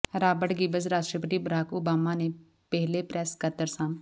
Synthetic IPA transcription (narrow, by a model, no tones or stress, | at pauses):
ɾaːbəɽɡiːbəzɾaːʃʈɾəpəʈ̪iːbəɾaːkoːbaːmaːne | pɛɦlepɾɛːskət̪əɾsãːm